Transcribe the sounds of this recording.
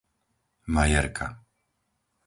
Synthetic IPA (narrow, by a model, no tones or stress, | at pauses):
majɛɾkʰa